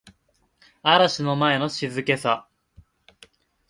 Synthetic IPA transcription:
aɾaɕino̞mae̞no̞ɕizɨke̞sa

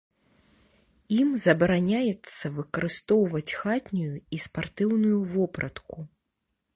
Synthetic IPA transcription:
imzɐbɐɾanʲajɛt̪sːɐvɨkɐɾɨst̪ɔwvɐt͡sʲxat̪ʲnʲujuispart̪ɨwnujuvɔpɾʔɐt̪ku

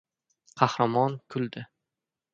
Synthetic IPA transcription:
qʰɑhɾamɒnkʰʊlˠd̪ɪ

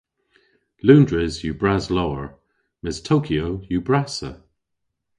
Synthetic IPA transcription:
lũːndɹɪzjubɹazlowəɹ | mɪstʰoʊkʰioʊjubɹasə̰

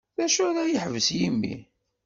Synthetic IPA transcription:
θæʃʊɾæjəħvəsjimːḭ

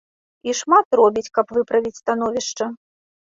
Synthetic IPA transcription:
iʂmat̪rɔbʲit͡sʲkɐpvɨpɾɐvʲit͡sʲst̪an̪ɔvʲiʂt͡ʂɐ

